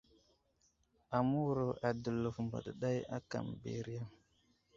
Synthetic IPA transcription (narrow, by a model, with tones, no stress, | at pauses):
a˨mu˦wɾo˨ʔa˨də˨lu˨fmbə̰˨ɗə˨ɗa˦ja̰˦ka̰˨mbḛ˨ɾi˦ja˦